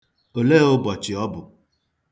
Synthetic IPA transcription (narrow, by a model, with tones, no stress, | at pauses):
o˨le˦o˦bɔ˨t͡ʃɪ˨ɔ˦bʊ˨